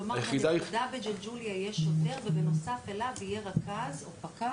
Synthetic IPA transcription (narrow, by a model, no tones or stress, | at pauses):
omajeχid̪ajd̪abed͡ʒeld͡ʒuljajɛʃoteʁveveno̞safelavijeʁakazopaka